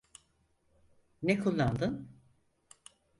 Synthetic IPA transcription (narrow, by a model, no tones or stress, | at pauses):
nekʰulˠːand̪ɯn